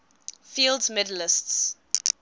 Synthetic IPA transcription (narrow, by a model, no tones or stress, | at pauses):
fiːlˠdzmɪdəlɪsts